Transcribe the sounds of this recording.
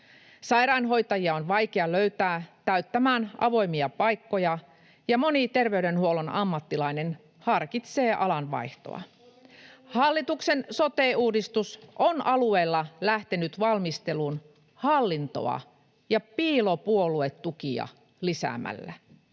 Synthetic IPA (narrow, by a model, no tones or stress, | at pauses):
sɑjɾɑinɦo̞jt̪ɑjiɑonʋɑjkeɑløɥt̪æːt̪æyt̪ːæmæːnʔɑ̰ʋo̞jmiɑpɑjkːo̞jɑ | jɑmo̞nit̪e̞rʋe̞yɥde̞nhuo̞lonɑmːɑt̪ːilɑjne̞n | hɑrkit̪se̞ːʔɑlɑnʋɑ̰jht̪o̰ɑ̰ | hɑlːit̪ukse̞nso̞t̪eːuːdist̪usʔonɑlue̞ːlːɑlæht̪enyt̪ʋɑlmist̪e̞lun | hɑlːint̪o̞̰ɑ̰ | jɑpiːlopuolue̞t̪ːukiɑ̰ | lisæ̰mæ̰lːæ